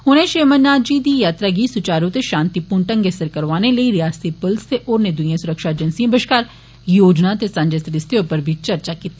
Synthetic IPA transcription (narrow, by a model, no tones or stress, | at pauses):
ɦʊnẽʃeːmənːaːd̪d͡ʒiːd̪iːjaːt̪ɾaːɡiːsʊt͡ʃaːɾõt̪eʃãːnt̪ipʊɳʈə̃ŋɡesəɾkəɾʋaːneləiɾɪjaːst̪ipʊlst̪eʔoːɾned̪ʊijãsʊɾəkʃaːed͡ʒənsiãbɪʃkaːɾ | joːd͡ʒnat̪esɐ̃ɲd͡ʒesəɾɪst̪ʰejõpəɾbʱit͡ʃɐɾt͡ʃakiːt̪i